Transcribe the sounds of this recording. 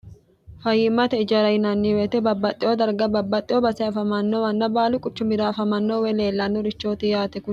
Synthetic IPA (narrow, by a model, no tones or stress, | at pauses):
fɐjɪmːɐt̪ɛɪd͡ʒɐɾɐjnɐnːiwet̪ɛbɐbːɐt̪ʼːɪoːd̪ɐɾɡɐbɐbːɐt̪ʼːɪʔoːbɐsɛɐfɐmɐnːowɐnːɐbaːlʊkʼʊt͡ʃːʊmɪd̪aːfɐmɐnːoːwɛle̞ːlːɐnːɔɾɪt͡ʃːo̞ːt̪ɪjaːt̪ɛkʊ